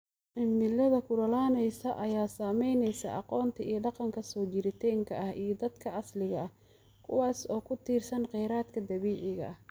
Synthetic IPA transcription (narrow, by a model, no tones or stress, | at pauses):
ʕɪmːɪlɐðɐkʰʊɾɐlaːnɛjsɐʔɐjaːsaːmɛjnɛjsɐ̰ʔɑqɔːnt̪ʰɐʔijɐɖɑqɑŋkʰɐsɔːt͡ʃɪɾɪt̪ʰɛːŋkʰɐʔɐhijɞd̪ɐd̪kʰɐʔɑslɪɣɐɐ | kʰʊwɑːsɔːkʰʊt̪ʰiːrsɐnqɛjɾaːd̪kʰɐd̪ɐβiːʕɪɣɐ̰ʔɐh